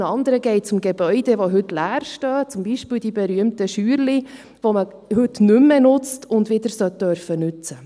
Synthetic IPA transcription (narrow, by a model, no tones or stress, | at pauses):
ɑnd̪əɾəɡɛɪt̚t͡sʊmɡebœʏdɛʋoɦʏtlæːɾʃtœːt͡sʊmbiːʃpiːld̥ibɛɾyəmtəʃyːɾli | ʋomə | hʉtnʏmːɛnʊt͡stʰʊndʋɪd̪əɾsœt̚d̥œɾfənʏt͡sə